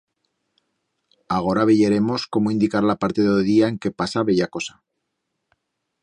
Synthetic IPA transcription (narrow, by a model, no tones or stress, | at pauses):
aɣ̞o̞ɾaβeʝeɾe̞mo̞sko̞moind̪ikaɾlapaɾt̪eðeðiae̞ŋke̞pasaβe̞ʝako̞sḁ